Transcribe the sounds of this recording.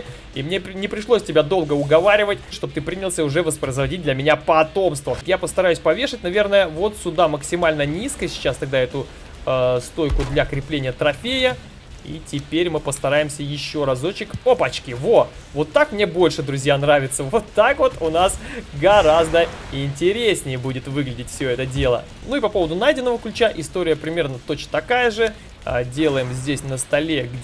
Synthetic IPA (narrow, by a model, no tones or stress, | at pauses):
imnʲenʲɪpɾʲɪʂlˠosʲtʲɪbʲad̪o̞lˠɡəʊɡɐvaɾʲɪvətʲʂt̪ob̚t̪ɨpɾʲinʲɪlˠsʲəʊʐɛvəspɾəɪzvɐdʲit̚ʲd̪lʲəmʲɪnʲapɐt̪o̞mst̪vəjapəst̪ɐɾajʉsʲpɐvʲeʂɨtʲnɐvʲe̞rnəjəvo̞t̪sʲʊd̪aməksʲɪmalʲnənʲiskəsʲɪ̥t͡ɕast̪ɐɡ̚d̪aɛt̪ʊ | st̪o̞jkʊd̪lʲɐkɾʲɪplʲenʲɪjət̪ɾɐfʲejə | ḭtʲɪpʲeɾʲmɨpəst̪ɐɾajɪmsʲəjɪɕːo̞ɾɐzo̞t͡ɕɪkʲopɐt͡ɕkʲivo | vo̞t̪ːakmnʲe̞bo̞lʲʂɨd̪ɾʊzʲjanɾavʲɪt̪səvo̞t̪ːakvo̞t̪ʊnasɡɐɾazd̪əɪnʲtʲɪɾʲesʲnʲɪjəbudʲɪt̪vɨɡlʲɪdʲɪtʲfsʲo̞ɛt̪ədʲe̞lˠə̰ | nuɪpɐpo̞vəd̪ʊnajdʲɪnːəvəklʲʉt͡ɕaʔɪst̪o̞ɾʲɪjəpɾʲɪmʲe̞rnət̪o̞t͡ɕət̪ɐkajəʐɨ | dʲe̞lˠəjɪmzʲdʲesʲnəst̪ɐlʲe̞ɡʲ